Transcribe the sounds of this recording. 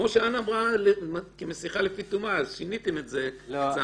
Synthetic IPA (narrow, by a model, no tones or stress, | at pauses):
o̞ʃeanamʁalemkemesiχalefitumaːzʃinit̪eme̞tze̞sa